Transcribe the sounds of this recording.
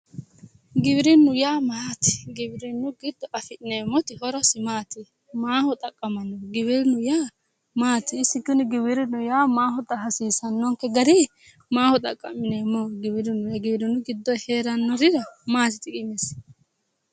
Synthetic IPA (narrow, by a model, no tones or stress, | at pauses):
ɡɪbɾɪnːʊjaːmat̪ɪ̥ɡɪbɪɾɪnːʊɡɪd̪ːɔʔɐfɪneːmːɔt̪ɪhɔɾɔsɪmaːt̪ɪ | maːhɔt̪ʼɐkʼːɐmɐnɔɡɪwɪɾɪnʊjaː | maːt̪ɪːsɪɡʊnɪɡɪwɪɾɪnʊjaːmaːɦɔt̪ʼɐɦɐsiːsɐnːɔŋkɛɡɐɾɛ | maːhɔt̪ʼɐkʼːɐmɪneːmːɔɡɪwɪɾɪnʊjɐɡɪbɾɪnʊɡɪd̪ːɔjheːɾɐnːɔɾɪɾɐmaːt̪ɪt̪ɪkʼɪmɛs